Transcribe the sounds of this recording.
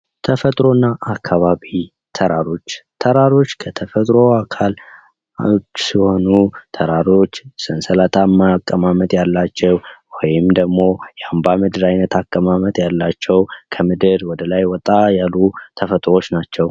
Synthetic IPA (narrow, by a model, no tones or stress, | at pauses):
t̪ʰəfət̪ʼɾo̞nːaʔːkʰːaβaβi | t̪ʰəɾaɾo̞t͡ʃːt̪ʰəɾaɾo̞t͡ʃːkʰət̪ʰəfət̪ʼɾo̞akʰal | t͡ʃːsiho̞nut̪ʰəɾaɾo̞t͡ʃːsɨnsəlat̪ʰamːakʼːəmamət̪ʼjalːat͡ʃːɛwwɔjɪmd̪əɡmo̞jambamɨd̪ɨɾajnət̪ʰakʼːəmamət̪ʼjalːat͡ʃːɛwkʰəmɨd̪ɨɾwɔd̪əlajwɔt̪ʼːajalːut̪ʰəfət̪ʼɾo̞t͡ʃːnat͡ʃːɛw